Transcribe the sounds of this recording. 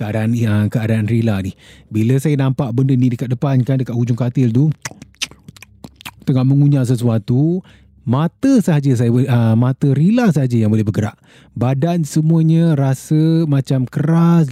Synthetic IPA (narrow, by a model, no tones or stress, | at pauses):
kəadaʔanəkəadaːnrilanihbiləsajanãmpaʔbəndənidəkat̪̚dəpankandəkat̪̚hud͡ʒʊŋkat̪ɪlt̪u | t̪əŋaʔməŋuɲas̬əs̬uat̪u | mat̪əsəɦad͡ʒəs̬ajəmat̪əɾilas̬əɦad͡ʒəjaŋbolɛhbəɡəɾa̰ʔ | badansəmuəɲəɾasəmãt͡ʃamkəɾas